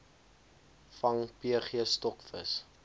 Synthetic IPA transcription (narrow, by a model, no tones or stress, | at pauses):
fɐŋpiəχiəstɔkfəs